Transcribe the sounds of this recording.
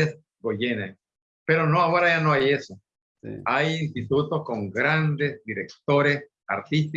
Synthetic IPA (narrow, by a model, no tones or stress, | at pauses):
es | ɡoʝena | pe̞ɾonoaoɾaʝanoaje̞so̰ | ajinst̪it̪ut̪o̞sko̞ŋɡɾand̪ezd̪iɾek̚t̪o̞ɾes | a̰ɾt̪ist̪i